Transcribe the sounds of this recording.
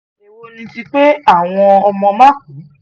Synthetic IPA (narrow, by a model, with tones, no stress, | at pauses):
e˧wo˧nĩ˧ti˧k͡pe˦a˦˨w̃ɔ̃˧ɔ˧mɔ̃˧mã˦k̚ũ˨˦